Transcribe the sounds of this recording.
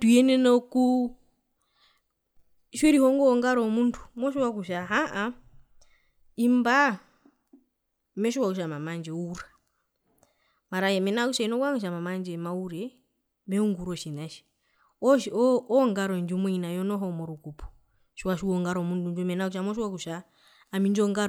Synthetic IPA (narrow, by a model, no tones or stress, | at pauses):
tujɛnɛnɔku | ʃɛɾihɔŋɡɔɔŋɡaɾɔmuntʰu̥mɔʃiwak̬uʃaɦaʔa | imba | mɛʃiwakuʃ̬amamand͡ʒɛuɾa | maɾajɛmɛnakuʃainɔkwaŋɛʃ̬amamand͡ʒɛmauɾɛ | mɛuŋɡuɾɔʃinaʃi̥ | ɔʃɔŋɡaɾɔnd͡ʒumwɛinajɔnɔɦɔmɔɾukupɔ̥ | ʃiwaʃuɔŋɡaɾɔmuntund͡ʒumɛnakuʃamɔʃiwakuʃaː | mind͡ʒɔŋɡa